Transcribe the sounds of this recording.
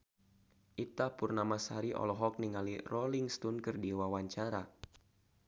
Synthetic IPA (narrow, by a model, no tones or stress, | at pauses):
ʔit̪apurnamasaɾiʔɔ̰lɔɦɔk̚niŋalirɔliŋst̪unkɨrdiwawaɲt͡ʃaɾa